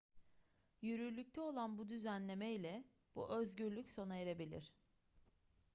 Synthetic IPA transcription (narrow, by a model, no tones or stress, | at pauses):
jyɾylʲyc̚t̪ʰɛo̞lˠanbud̪yzænlʲe̞meilʲɛ | b̥ṵʔøzɟyɾlʲycso̞najeɾebilʲḭɾ̝̥